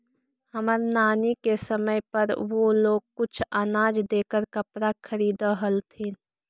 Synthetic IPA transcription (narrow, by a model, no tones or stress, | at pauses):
hɐməɾnaːnikesəməjpɐɾʋoːloːɡ̚kʊt͡ʃʰaːnaːd͡ʒd̪eːkəɾkɐpɾakʰəɾiːd̪aɦəlt̪ʰeː